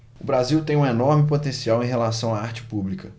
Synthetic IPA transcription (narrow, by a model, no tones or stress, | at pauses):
ʊbɾaziwt̪ẽj̃ũenɔɾmɪpot̪ẽsiawẽj̃ɦelasɐ̃w̃aaɾt͡ʃɪ̥publikɐ